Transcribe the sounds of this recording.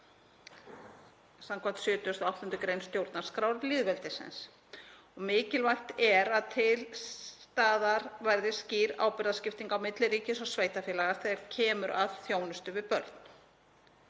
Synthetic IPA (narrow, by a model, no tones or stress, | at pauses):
samkʰam̥t̪sjʏːt̪ʏʏst̪awht̪ʏnt̪ʏkɾejnst̪jowɾt̪nḁskɾaːwɾɾlɪːðvɛlt̪ɪsɛ̰ns | ɔɣmɪːcɪlvajrt̪ɛɾaðt̪ʰɪlst̪aːðaɾvajɾðɪsciːɾa̰ːwpɪɾðascɪft̪iŋkawmɪt̪lɪɾiːcɪsɔɣsveːjt̪afɛːlaɣaɾ̥θɛɣaɾcʰɛːmʏɾʔavθjoːwnʏst̪ʏvɪpœ̰ɾt̪n̥